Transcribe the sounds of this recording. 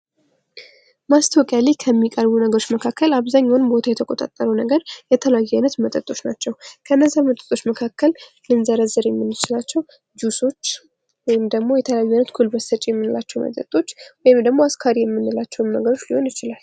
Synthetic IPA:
mast̪ʰəwkʼjalekʰəmːikʼəɾbunəɡəɾo̞t͡ʃːməkʰakːəlaβzaɲːawnbo̞t̪ʰajɛt̪ʰəkʼot̪ʼa̰t̪ʼːəɾəwnəɡəɾjɛt̪ʰələjajɛnət̪mət̪ʼət̪ʼːo̞t͡ʃːnat͡ʃːɛwkʰəɨnːəzːahmət̪ʼə̥t̪ʼo̞t͡ʃːməkʰakːəl | lɨnzəɾəzɨɾjɛmːɨnːɨt͡ʃɪlat͡ʃːɛw | d͡ʒuso̞t͡ʃː | wɔjɪmd̪əɡmo̞jɛt̪ʰəljajːɛnət̪kʰulbəsət͡ʃʼjɛmːɨnɨlat͡ʃːɛwmə̰t̪ʼə̰t̪ʼo̞t͡ʃːwɔjɪmd̪əɡmoaskʰaɾijɛmːɨnːɨlat͡ʃːɛwmnəɡəɾo̞t͡ʃːliho̞njɪt͡ʃɪlal

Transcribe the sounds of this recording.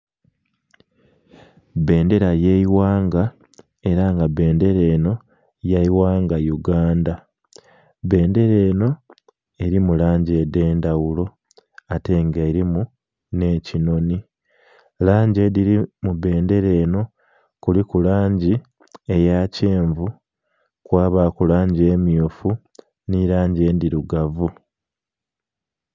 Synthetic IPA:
be̞ːnde̞ɾajeiwaːŋɡa | e̞ɾaŋɡabe̞ːnde̞ɾe̞ːno̞ | jaiwaːŋɡajuɡaːnda | βe̞ːnde̞ɾe̞ːno̞ | e̞ɾimulaːɲɟe̞de̞ːndawulo̞ | ate̞ŋɡeɾimu | ne̞ːcino̞ni | laːɲɟe̞diɾimuβe̞ːnde̞ɾe̞ːno̞ | kulikulaːɲɟi | e̞jaceːɱvu | kwaːβaːkulaːɲɟie̞ːmiofu | niɾaːɲɟeːndiɾuɡavu

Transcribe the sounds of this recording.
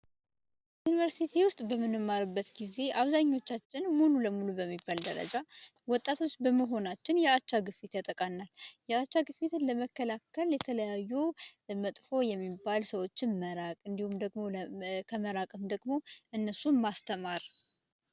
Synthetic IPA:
junivəɾsit̪ʰiwʊst̪ʼbəmɨnɨmːaɾɨbːət̪ɡize̞ʔaβzaɲːo̞t͡ʃːat͡ʃːɪnmululəmulubəmːibːald̪əɾə̰d͡ʒa | wɔt̪ʼːat̪ʰo̞t͡ʃːbəməɦo̞nat͡ʃːɪnjɛat͡ʃːaɡɨfit̪jat̪ʼəkʼanːaljɛat͡ʃːaɡɨfit̪ʰɨnləməkːəlakʰːəljɛt̪ʰələjajːumət̪ʼfo̞jɛmːibːalsəwo̞t͡ʃːɪnməɾakʼɨnd̪ihumd̪əɡmo̞lkʰəməɾakʼɨmd̪əɡmo̞ʔɨnːəsumast̪ʰəmaɾ

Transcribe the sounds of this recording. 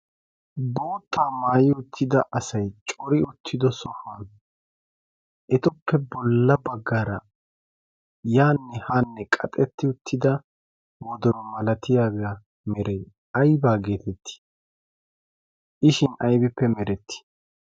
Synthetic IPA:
bo̞ːt̪ːaːmaːjɪʊt̪ʰːɪd̪ɐʔɐsɐjt͡ʃʼɔɾɪʊt̪ʰːɪd̪ɔsɔfɐn | ʔɛt̪ʊpːɛbɔlːɐbɐɡːɐɾɐ | jaːnːɛhaːnːɛkʼɐt̪ʼɛt̪ːɪʊt̪ʰːɪd̪ɐ | wɔd̪ɔɾɔmɐlɐt̪ʰɪjaːɡɐ | mɛɾɛj | ɐjbaːɡe̞ːt̪ɛt̪ːɪ̥ | ʔɪʃɪnɐjbɪpːɛmɛɾɛt̪ːɪ̥

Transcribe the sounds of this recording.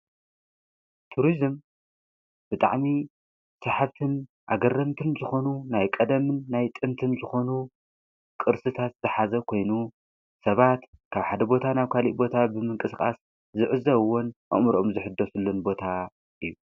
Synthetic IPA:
t̪ʰuɾizɨm | b̥ɨt̪ʼa̰ʕmi | sɐħaβt̪ʰɨn | ʔaɡɐrːɐmt̪ʰɨnzɨxo̞nunajkʼɐd̪ɐmɨnːajt̪ʼɨnt̪ʰɨnzɨxo̞nu | kʼɨɾsɨt̪ʰat̪z̥ɨħazɐkʰo̞jnu | sɐβat̪kʰaβħad̪ɐbo̞t̪ʰanaβkʰalḭʔbo̞t̪ʰabɨmɨŋkʼɨskʼa̰s | zɨʕɨzɐβwonʔɨ̰ʔmɾomzɨħɨd̪ːosɨlːunbo̞t̪ʰa | ʔɨjːu

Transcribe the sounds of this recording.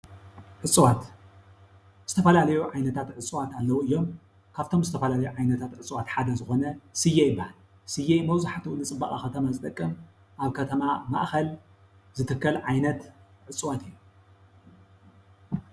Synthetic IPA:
ʕɨt͡sʼːwat̪ | z̥ɨt̪ʰɐfɐlalɐjuʕajnɐt̪ʰat̪ʕɨt͡sʼuwat̪alːɐwuɨjːo̞m | kʰaβt̪ʰo̞mzɨt̪ʰɐfɐlalɐjuʕajnɐt̪ʰat̪ʕɨt͡sʼwat̪ħad̪ɐzɨxo̞nɐsɨjejɪbɨhal | sɨjejmɐwzaħat̪ʰuʔunɨt͡sʼɨbːɐχʼaxɐt̪ʰɐmazɨt̪ʼɐkʼːɨm | ʔaβkʰɐt̪ʰɐmama̰ʔxɐl | zɨt̪ʰɨkːɐlʕajnɐt̪ʕɨt͡sʼɨwat̪ɨjːu

